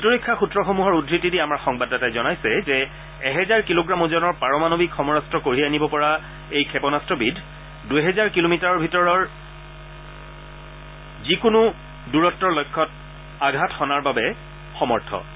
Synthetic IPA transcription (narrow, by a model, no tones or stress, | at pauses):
bitoɹikʰːaxutɹɔxomuɦɔɹudɹitːidiamaɹxɔŋbadatajzɔnajsɛzɛː | ɦɛzaɹkiloɡɹamɔzɔnɔɹpaɹɔmanobikxɔmɔɹastɹɔkoɹianibɔpɔɹa | ejkʰɛpɔnastɔbidʱ | dujɦɛzaɹkilomitaɹɔɹbʱitɔɹɔɹ | zikʊnu | duɹɔtːɔlɔjkʰːɔt̚ | aɡʱathɔnaɹbabɛ | xɔmɔɹtʰɔ̰